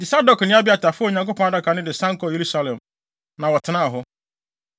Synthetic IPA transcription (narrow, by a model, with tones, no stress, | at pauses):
dɪ˨sa˦dɔ˨knɪ̃˦a˦bɪ˦a˨ta˨fʊ˦ɔ˦˨ɲã˨ŋko˦pʰɔ̃˦a˦da˦kʰa˨nɪ̃˦dɪ˨sã˦ŋ̩˦kɔ˨je˨ɾu˦sa˦lɛ̃˨m | nã˨wɔ˨tʰɪ˨nã˦a˨ɦʊ˦